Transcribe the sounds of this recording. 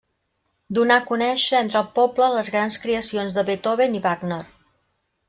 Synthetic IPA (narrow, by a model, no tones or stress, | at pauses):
d̪unakunɛʃəent̪ɾəlˠpɔblələzɣɾanskɾiəsionzðəβet̪oβeniβaɡnər